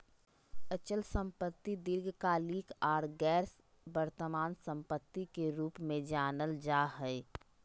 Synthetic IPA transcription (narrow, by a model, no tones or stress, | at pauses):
ət͡ʃəlsə̃mpət̪ːid̪ɪɾɡkaliːkaːɾɡɛːɾs | bəɾt̪əmaːnsə̃mpət̪ːikeɾuːpmẽd͡ʒaːnəld͡ʒaːɦɛɪ